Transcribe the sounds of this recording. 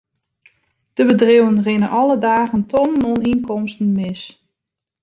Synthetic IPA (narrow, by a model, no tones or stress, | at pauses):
d̥əbədrɪwənrɪnəʔɔlˠədaːɣəntʰɔnənoninkɔmstən̩mɪs